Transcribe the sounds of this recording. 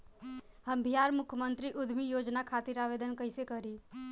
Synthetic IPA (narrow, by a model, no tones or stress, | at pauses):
hɐmbʱijaːɾmʊkʰjəmə̃nt̪ɾiʔʊd̪ʱmijoːd͡ʒnakʰaːt̪ɪɾaːʋeːd̪ənkəɪsekəɾiː